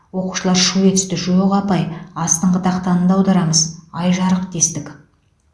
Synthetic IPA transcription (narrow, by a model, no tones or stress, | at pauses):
wo̞qu̥ʃəlˠɑɾʃuet̪ʏ̥st̪ɪʒujʁɑpɑjɑst̪əɴqʰəd̪ɑqt̪ɑnənd̪ɑwd̪ɑɾɑməzɑjʒɑɾəq̚d̪e̞st̪ɪkʲ